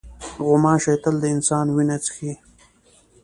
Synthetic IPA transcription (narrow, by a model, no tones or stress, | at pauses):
ɣʊmɑːʃet̪əld̪əɪnsɑːnwinat͡sxi